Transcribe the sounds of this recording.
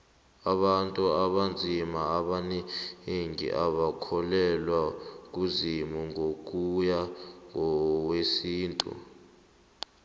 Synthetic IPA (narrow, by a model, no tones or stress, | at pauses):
aɓantʼuaɓand͡zʱimaːɓanɛeŋḭʔaɓakʰɔlɛlwak̬ʼuzimuŋʱok̬ʼujaŋʱɔwesiːntʼṵ